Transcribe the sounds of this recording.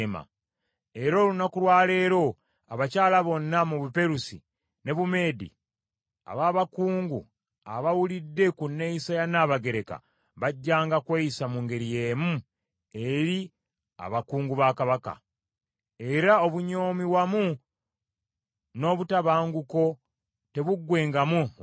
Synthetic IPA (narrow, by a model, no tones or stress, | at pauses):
ma̰ | e̞ɾo̞ːlunakulwaːle̞ːɾo̞ | aβacaːlaβo̞nːamuβupe̞ɾusḭ | ne̞βume̞ːdḭ | a̰βaːβakuːŋɡu | a̰βawulidːe̞kunːe̞isajanaːβaɡe̞ɾe̞ka̰ | βaɟːaːŋɡakweisamuŋɡe̞ɾije̞ːmu | e̞ɾi | a̰βakuːŋɡuβakaβaka̰ | e̞ɾao̞βuɲo̞ːmiwamu | no̞ːβutaβaːŋɡuko̞ | te̞βuɡːwe̞ːŋɡamu